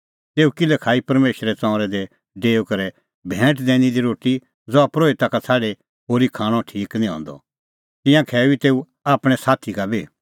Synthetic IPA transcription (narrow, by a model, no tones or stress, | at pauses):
t̪eːukɪlɛkʰaːipɐɾmeːʃɾɛt͡sɔ̃ːɾɛd̪ɛ | ɖeːokɐɾɛ | bʱɛ̃ːʈd̪ɛːɽ̃id̪iɾoːʈːi | d͡zɔapɾoːit̪akat͡sʰaːɽe | ɦoːɾikʰãːɽ̃ɔ̃ʈʰiːknĩɦɔ̰̃ːnd̪ɔ̰ | t̪ɪ̃jãkʰɛːbit̪eːu | aːpɽ̃ɛsaːt̪ʰikabʱi